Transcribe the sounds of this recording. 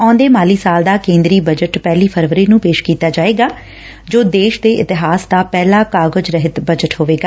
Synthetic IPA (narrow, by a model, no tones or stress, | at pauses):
ɔ̃ːnd̪eːmaːliːsaːld̪aːkẽːnd̪ɾiːbəd͡ʒəʈpɛːliːpʰəɾʋəɾeːnũːpeːʃkiːt̪aːd͡ʒaːeːɡaː | d͡ʒoːd̪eːʃd̪eːʔɪt̪ɪɦaːsd̪aːpɛːlaːkaːɡəd͡ʒɾəɦɪt̪bəd͡ʒəʈɦoːʋeːɡaː